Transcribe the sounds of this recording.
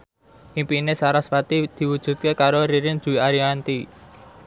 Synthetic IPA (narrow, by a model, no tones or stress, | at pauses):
ʔimpinesaɾasfat̪id̪̥i̤wud̥ʒ̥ṳt̪̚kekaɾoɾiɾɪŋd̥ʒ̥ṳiaɾiant̪i